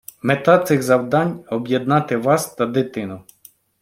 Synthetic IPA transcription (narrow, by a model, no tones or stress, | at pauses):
met̪ɑt̪sɪɣzɐwd̪ɑnʲɔbjed̪̚nɑt̪ɪʋɑst̪ɐd̪ɪt̪ɪnʊ